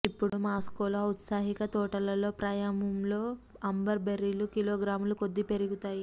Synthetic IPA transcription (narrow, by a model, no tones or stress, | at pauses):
ipːuɽumaːskoːlout̪saːɦikɐt̪ɔːʈɐlɐlo̞ːpɾaːjaːmɐmlo̞ː | ɐmbɐɾbeɾilukiloːɡɾaːmuluko̞d̪ːipe̞ɾiɡut̪aːji